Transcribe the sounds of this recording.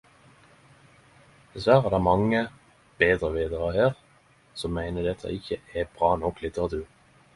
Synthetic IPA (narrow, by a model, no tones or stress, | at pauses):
d̪̥ɛsʋæːʁæːʁd̪æːmɑŋə | b̥eːd̪ʁəʋeːd̪əʁəheːʁ | sɔmːæɪnəd̪ɛt̪ʰə̰ʔɪçəʔɛb̥ʁɑːnɔkːlɪt̪ʰəʁɑt̪ʉʁ